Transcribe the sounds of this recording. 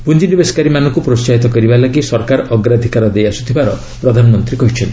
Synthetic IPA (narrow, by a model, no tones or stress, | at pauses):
pund͡ʒinibeskaɾimanɔŋkupɾot͡ʃaɦit̪ɔkɔɾibalaɡisɔɾkaɾɔɡɾad̪ʱikaɾɔd̪ejasu̥t̪ʰibaɾɔ̰ | pɾɔd̪ʱanɔmɔnt̪ɾikɔɦit͡ʃʰɔnt̪